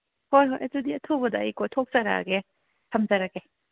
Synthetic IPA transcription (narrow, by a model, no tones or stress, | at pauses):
hojɦojʔɐ̰tudiɐtʰubɐdɐːjkʰojtʰok̚zɐɾa̰ɡe | tʰɐmzɐɾaɡe